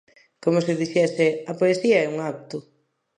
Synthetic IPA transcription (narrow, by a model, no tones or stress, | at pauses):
komʊsɪðiʃɛseɐpoesiɐɛuŋak̚t̪ʊ